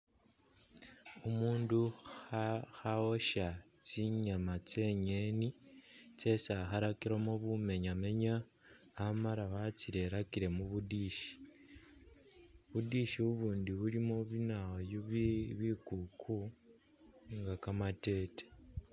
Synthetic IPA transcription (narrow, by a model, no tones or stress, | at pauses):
omuːndu | xaoʃa | t͡siɲamat͡se̞ɲe̞nit͡se̞saxaɾakiɾomoβume̞ɲame̞ɲaː | maɾawat͡sile̞ɾakiɾe̞muβudiːʃi̥ | βudiʃiuβuːndiβulimoβinaojoββikukʰu | ŋɡakamate̞ːte̥